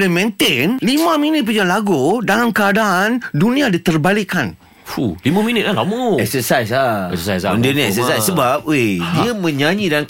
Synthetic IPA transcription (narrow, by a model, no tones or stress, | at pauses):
lamɛ̃nt̪ɪnlimãmĩnɪt̪̚pəd͡ʒanlaɡudalamkəadaʔandunĩadit̪ərbaliʔkan | fulimãmĩnɪt̪̚lalaməɛksəsajsaɛ̰səsajsndəniɛ̰ksəsajsəbap̚ediəmə̃ɲaɲidaa